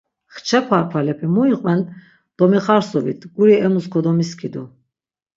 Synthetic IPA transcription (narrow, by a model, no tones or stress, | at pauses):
χt͡ʃʰɛpʰaɾpʰalɛpʰɛmuiqʼvɛn | d̪̥ɔmiχaɾsɔvit̪ʰɡuɾiɛmuskʰɔd̪ɔmiskʰid̪u